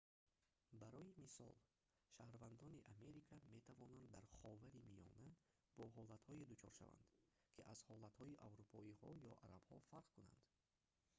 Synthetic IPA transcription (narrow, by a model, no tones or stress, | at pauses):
baɾɔimisɔ̰l | ʃahɾvand̪ɔniʔame̞ɾikʰame̞t̪ʰavɔnand̪ːaɾχɔvaɾimijɔ̰na | b̥ɔɦɔlat̪hɔid̪ut͡ʃʰɔ̰ɾʃa̰va̰nd̪̥ | kʰiʔazhɔlat̪hɔiʔavɾupʰɔihɔjɔʔaɾab̥hɔ̰faɾqkuna̰nd̪̥